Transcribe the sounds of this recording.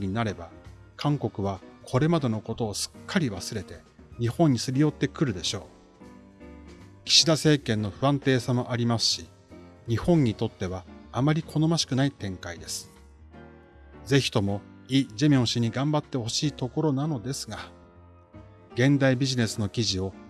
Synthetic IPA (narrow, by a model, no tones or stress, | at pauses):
ɲ̟inaɾe̞ba | kʰãŋko̞kɯ̟β̞akʰo̞ɾe̞mad̪e̞no̞ko̞t̪o̞ːsɨ̥kʰːaɾʲiβasɨɾe̞t̪e̞ | ɲ̟ihõ̞ɲ̟ːisɨɾʲijo̞t̪ːe̞kɯ̟ɾɯ̟d̪e̞ɕo̞ː | kʲi̥ɕid̪ase̞ːkẽ̞nːo̞ɸɯ̟ãnt̪e̞ːsamo̞ʔaɾʲimasɨ̥ɕi | ɲ̟ihõ̞ɲ̟ːit̪o̞t̪ːe̞βaːmaɾʲikʰo̞no̞maɕi̥kɯ̟nait̪ẽ̞ŋkaid̪e̞sɨ̥ | ze̞çi̥t̪o̞mo̞ | iːd͡ʑemʲõ̞ɕiɲ̟iɡãmbat̪ːe̞ho̞ɕiːt̪o̞ko̞ɾo̞nano̞d̪e̞sɨ̥ɡa | ɡẽ̞nd̪aibʲiʑine̞sɨno̞kʲiʑio̞